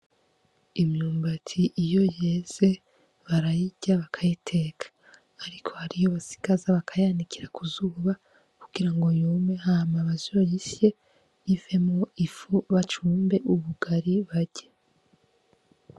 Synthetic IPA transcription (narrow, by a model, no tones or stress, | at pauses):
imɲuːmbatʰiʔijo̞jeːz̥e̞ | βaɾajiɟaβakʰajitʰe̞kḁː | ɾikʰo̞haɾijoβasi̥ɡazaβakʰajanikʰiɾakuzuːβa | ku̥ɡ̥iɾaŋɡo̞juːmehamaβazojisje̞ | ive̞moifuβat͡ʃuːmbe̞ʔuβuɡaɾiβaɟ̥e